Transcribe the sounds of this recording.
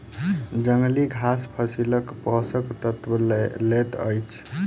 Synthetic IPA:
d͡ʒəŋɡliɡʱaspʰəsiləkpɔsəkt̪ət̪wəllet̪ə̰jt͡ʃʰ

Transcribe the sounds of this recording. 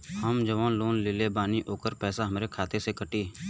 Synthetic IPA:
həmd͡ʒəʋaːnloːnlɪleːbaːniːʔoːkəɾpɛːsaːɦəmɾeːkʰaːt̪eːsekəʈiː

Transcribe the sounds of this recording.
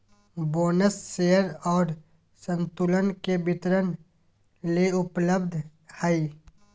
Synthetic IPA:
boːnəsːeːəɾɔːɾ | sə̃nt̪ulənkebɪt̪ɾən | leʊpləbd̪ʱ | həi

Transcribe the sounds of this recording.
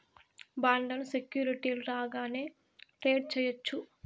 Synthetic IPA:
baːɳɖɐnsekjuːɾiʈiːluɾaːɡaːne̞ː | ʈɾeːɖ̚t͡ʃɛːjɐt͡ʃːu

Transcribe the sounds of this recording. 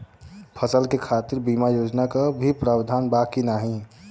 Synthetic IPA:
pʰəsəlkekʰat̪ɪɾbimajod͡ʒnakabʱipɾaːbd̪ʱanbakinaɦĩ

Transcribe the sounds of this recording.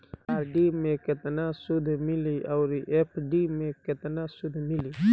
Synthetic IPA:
aːɾɖimẽkɪt̪nasʊd̪ʱmɪliaʊɾiʔepʰɖimẽkɪt̪nasʊd̪ʱmɪliː

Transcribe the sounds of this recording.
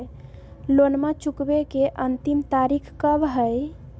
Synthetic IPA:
lonmat͡ʃukbekeʔənt̪imt̪aɾikʰkəbɦəj

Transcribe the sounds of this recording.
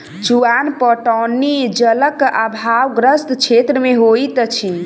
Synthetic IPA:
t͡ʃuanpɔʈɔnid͡ʒələkabʱawɡɾəst̪t͡ʃʰet̪ɾəmeɦojt̪ət͡ʃʰi

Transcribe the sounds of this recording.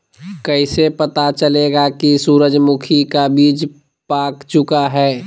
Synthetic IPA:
kɛɪsepɐt̪at͡ʃəleːɡakisuːɾəd͡ʒmʊkʰikabiːd͡ʒ | paːkt͡ʃʊkaɦɛː

